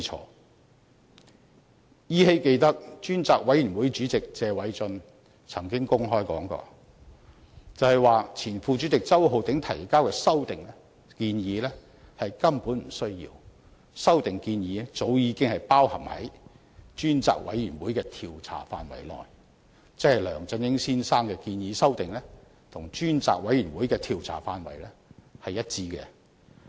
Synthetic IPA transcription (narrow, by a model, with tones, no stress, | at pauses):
t͡ʃʰɔ̰ː˧ | jiː˥he˥jke˧jt̪ɐ˥k̚t͡ʃyː˥nt͡saː˨k̚wʔɐ˨˥jɥyː˨˩nwuː˨˥jt͡ʃyː˨˥t͡sɪ˨k̚t͡sɛː˨˧wɐ˨˥jt͡sɵ˧n | t͡sʰɐ˨˩ŋkɪ˥ŋkʊ˥ŋɦɔː˥jkɔ̰ː˨˥ŋkɔ̰ː˧ | t͡sɐ˨˧whɐ˨jwaː˨˧t͡sʰiː˨˩nfuː˨˧t͡ʃy˨˥t͡sɪ˨k̚t͡sɐ˥who˨wt̪ɪ˨˥ŋt̪ʰɐ˨˩jkaː˥wkɛː˧sɐ˥wt̪ɪ˨ŋ | kiː˧njiː˨˥lɛː˥ | hɐ˨jkɐ˥mpuː˨˥nm̩˨˩sɵ˥ɥjḭː˧w | sɐ˥wt̪ɪ˨ŋkiː˧njiː˨˥t͡so˨˥wjiː˨˧˥kɪ˥ŋhɐ˨jpaː˥whɐ˨˩mhɐ̰˨˥j | t͡ʃyː˥nt͡sa̰ː˨k̚wɐ̰˨˥jːyː˨˩nwuː˨˥jkɛː˧t̪ʰiː˨wt͡sʰa̰ː˨˩faː˧nwɐ̰˨˩jlɔ̰ː˨j | t͡sɛ˥hɐ˨˩jlœː˨˩ŋt͡sɐ˨˧˥njɪ˥ŋsiː˥nsaː˥ŋkɛː˧kiː˧njiː˨˧sɐ˥wt̪ɪ˨ŋlɛː˥ | t̪ʰʊ˨˩ŋt͡ʃyː˥nt͡sa̰ː˨k̚wɐ˨˥jyː˨˩nwuː˨˥jkɛː˧t̪ʰiː˨˩wt͡sʰa̰ː˨˩faː˧nwɐ˨˩jlɛː˥hɐ˨jːɐ˥t̚t͡siː˧kɛ̰˧